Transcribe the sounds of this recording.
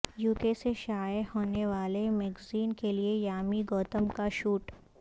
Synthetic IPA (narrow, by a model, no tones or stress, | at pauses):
juːkeseʃaːjəhoːneʋaːlemɛɡziːnkeliejaːmiɡɔːt̪əmkaʃuːʈ